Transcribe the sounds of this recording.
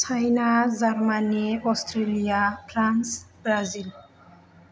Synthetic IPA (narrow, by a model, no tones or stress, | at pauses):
t͡ʃʰajnazaɾmaneɔst̪ʰɾeliapɾansbɾazil